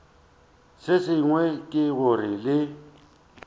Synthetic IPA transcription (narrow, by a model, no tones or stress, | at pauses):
sɪsɪŋwɛkʼɪɣʊrɪlɪ